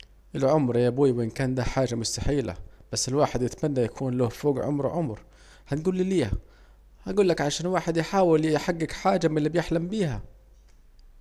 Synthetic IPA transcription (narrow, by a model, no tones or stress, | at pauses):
ʔɪlʕʊmɾjabuːjwɪʔɪnkaːnd̪aħaːʒamʊst̪aħiːla̰b̥asːɪlwaːħɪd̪jɪt̪manːajakʰuːnlʊhfoːɡʕʊ̰mɾʕʊmɾ | hanɡuːlːiliːha | haɡuːlːakʕaʃaːnwaːħɪd̪jɪħaːwɪljħaɡːɪkħaːd͡ʒamɪlːibjɪħlambiːha̰